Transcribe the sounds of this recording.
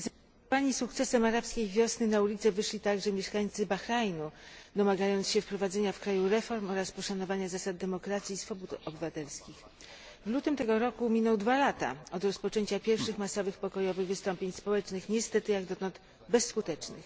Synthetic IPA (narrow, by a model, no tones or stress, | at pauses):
z | paɲisukt̪sɛsɛmaɾapskʲejvʲjɔsnɘnaulʲit̪sɛvɘʂlʲit̪aɡʐɛmʲjɛʂkaɲt̪sɘbaxɾajnud̪ɔmaɡajɔnt̪sɕɛfpɾɔvad̪zɛɲafkɾajuɾɛfɔɾmɔɾaspɔʂanɔvaɲazasad̪̚d̪ɛmɔkɾat̪sʲjisfɔbut̪ɔbɘvat̪ɛlskʲix | vlut̪ɘmt̪ɛɡɔɾɔkumʲinɛwd̪valat̪a̰ɔd̪ɾɔspɔt͡ʂɛɲt͡ɕapʲjɛɾfʂɘxmasɔvɘxpɔkɔjɔvɘɣvɘst̪ɔmpʲjeɲspɔwɛt͡ʂnɘxɲɛst̪ɛt̪ɘjaɡd̪ɔt̪ɔnt̪ | bɛsːkut̪ɛt͡ʂnɘx